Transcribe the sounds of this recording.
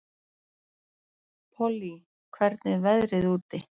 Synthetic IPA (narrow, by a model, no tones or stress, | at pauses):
pʰɔli | kʰvɛɾt̪nɪvɛðɾɪðuːt̪ɪ